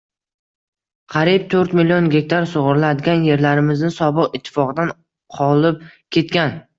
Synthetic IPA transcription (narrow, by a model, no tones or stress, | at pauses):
qʰɑɾib̚t̪ʰɵɾt̪milijonɡʲe̞k̚ʲt̪ʰaɾsʊʁʊɾlad̪ɡʲanje̞ɾlaɾɪmɪznɪsɒbɨqɪt̪ʰːɪ̥fɒqɨd̪an | qʰɒlˠɪp̚kʲʰe̞t̪kʲan